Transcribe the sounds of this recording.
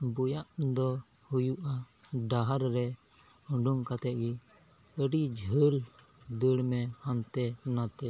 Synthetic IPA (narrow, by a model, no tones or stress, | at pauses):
bujaʔd̪ɔ | hujuʔa | ɖaɦaɾɾɛ | əɳɖuŋkat̪ɛt̪̚ˀɡi | əɽid͡ʒʱəl | d̪əɽmɛhant̪ɛnat̪ɛ